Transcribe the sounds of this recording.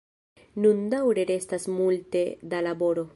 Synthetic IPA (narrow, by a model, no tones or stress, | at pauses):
nundawɾe̞ɾe̞stasmulte̞dalabo̞ɾo̞